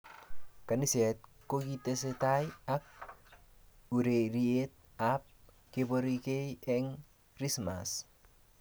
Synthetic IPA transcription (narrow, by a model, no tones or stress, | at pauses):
kanisɛt̪̚kokit̪eset̪ajak̚ | uɾeɾiet̪̚ | ap̚ | kepɔɾikejeŋ | risma̰s